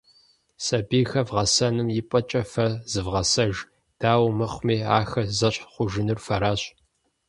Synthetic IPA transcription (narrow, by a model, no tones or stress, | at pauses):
sɐbiːxɐvʁɐsɐnɨmjɪpʼɐt͡ʃʼɐfɐzɨvʁɐsɐʒ | d̥aːwmɨχʷmiːa̰ːxɐzɐɕʼχʷʊʒɪnɨrfɐɾaːɕ